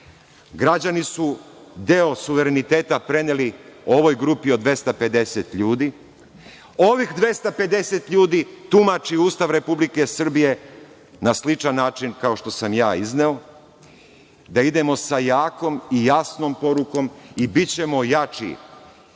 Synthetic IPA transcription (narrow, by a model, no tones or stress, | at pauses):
ɡɾad͡ʑanisu | d̪eosuʋe̞ɾenit̪eːt̪apɾe̞nelio̞ʋo̞jɡɾupio̞d̪ʋe̞st̪ape̞d̪e̞set̪ʎuːd̪i | o̞ʋixd̪ʋe̞st̪ape̞d̪e̞se̞t̪ʎuːd̪it̪umat͡ʃiuːst̪aʋɾe̞publike̞sr̩bije̞ | naslit͡ʃanːaːt͡ʃinkao̞ʃt̪o̞samjaːizneo̞ | d̪aid̪e̞mo̞sajaːko̞mijasno̞mpo̞ɾuko̞mibit͡ɕe̞mo̞jat͡ʃḭ